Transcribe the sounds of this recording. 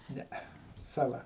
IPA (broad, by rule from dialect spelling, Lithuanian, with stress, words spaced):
ˈnʲɛɛ sɐˈlˠɐ